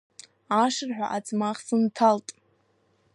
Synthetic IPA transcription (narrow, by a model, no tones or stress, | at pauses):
aʂɨrħᶣa̰ʔad͡zmaχsɨntʰaltʼ